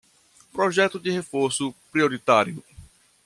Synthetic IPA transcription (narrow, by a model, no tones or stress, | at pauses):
pɾɔʒɛt̪ʊd̪ɪhefoɾsʊpɾioɾit̪aɾjʊ